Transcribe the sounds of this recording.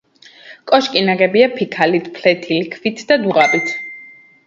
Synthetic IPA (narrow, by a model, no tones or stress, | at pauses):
kʼɔʃkʼinaɡɛbiapʰikʰalit̪ʰpʰlɛt̪ʰilikʰvit̪ʰd̪ad̪uʁapʼit̪ʰ